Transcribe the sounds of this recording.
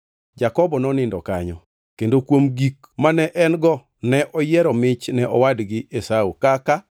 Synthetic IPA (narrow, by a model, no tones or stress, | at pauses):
d͡ʒakɔbɔnɔnɪndɔ̰ka̰ɲɔ̰ | kendokwomɡik | manɛʔɛnɡɔ | nɛʔɔjɛɾɔmɪt͡ʃnɛʔɔwadɡɪʔesaukaka